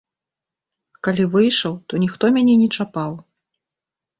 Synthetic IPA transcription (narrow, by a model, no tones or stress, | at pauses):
kalʲivɨjʂɐwt̪ɔnʲixt̪ɔmʲanʲɛnʲɛt͡ʂapaw